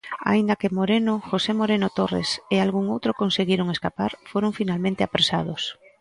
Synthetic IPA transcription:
a̰ind̪akemoɾenoxosemoɾenot̪orḛsealɣuŋowt̪ɾokonseɣiɾoŋeskapaɾfoɾoɱfinalmẽnt̪eapɾesað̞os

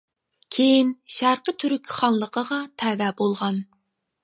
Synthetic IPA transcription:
kʲʰejinʃæɾqət̪ʰyɾykʲʰχɑnlˠəqʰəʁɑt̪ʰæːvɛbolˠʁɑn

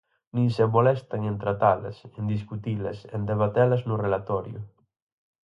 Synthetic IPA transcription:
nĩŋsemolɛst̪aŋẽnt̪ɾat̪ala̰send̪iskut̪iβlesḛnd̪eβat̪ɛlaznurelat̪ɔɾjʊ̰

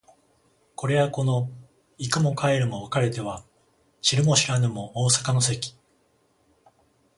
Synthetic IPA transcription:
ko̞ɾe̞βako̞no̞ | ikɯ̟mo̞kae̞ɾɯ̟mo̞βakaɾe̞t̪e̞βa | ɕiɾɯ̟mo̞ɕiɾanɯ̟mo̞oːsḁkano̞se̞kʲi̥

